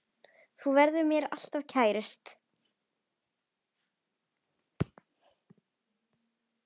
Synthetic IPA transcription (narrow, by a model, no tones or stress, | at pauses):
θuvɛɾðʏɾmjɛɾa̰l̥t̪av̥cʰaːjɾɪst̪